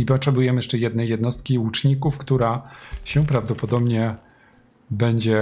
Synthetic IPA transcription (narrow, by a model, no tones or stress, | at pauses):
ipɔtʂɛbujɛmɘjɛʂt͡ʂɛjɛd̪nɛjːɛd̪nɔst̪̚kʲiut͡ʂɲikufkt̪uɾaɕɛ̃pɾavd̪ɔpɔd̪ɔbɲɛ | bɛɲd͡ʑɛ